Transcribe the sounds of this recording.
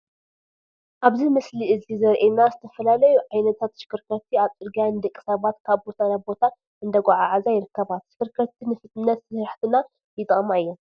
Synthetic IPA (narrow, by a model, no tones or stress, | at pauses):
ʔaβzimɨsliʔɨzizɐɾʔenazɨt̪ʰɐfɐlalɐjuʕajnɐt̪ʰat̪ʃɨ̥kɨɾkʰɐt̪ʰːiaβt̪ʼɨɾɡanɨd̪ɐkʼːi̥sɐβat̪kʰaβbo̞t̪ʰanabo̞t̪ʰa | ʔɨnd̪ɐɡʷaʕaʕazajɪɾɨkʰːɐβat̪ʃɨ̥kʰɨɾkʰɐt̪ʰːinɨfɨt̪ʼnɐt̪sɨɾħt̪ʰɨna | jɪt̪ʼɨɣʼmaɨjːo